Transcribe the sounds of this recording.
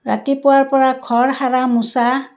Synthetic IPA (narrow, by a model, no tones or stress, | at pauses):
ɹa̰tipʊaɹpɔɹakʰɔɹhaɹamʊsa